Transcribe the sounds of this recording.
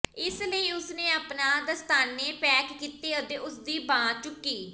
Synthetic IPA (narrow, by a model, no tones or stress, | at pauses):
ɪsləiːʊsneːaːpnãːd̪əst̪aːnːeːpɛːkːiːt̪eːəd̪eːʔʊsd̪iːbãːt͡ʃʊkːiː